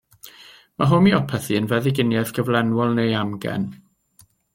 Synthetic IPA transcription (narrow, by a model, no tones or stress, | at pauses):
maɦʊmiɔpʰɛθiənvɛðɪɡɪnjɛðɡʰəvlˠɛnwɔlˠnejamɡɛ̰n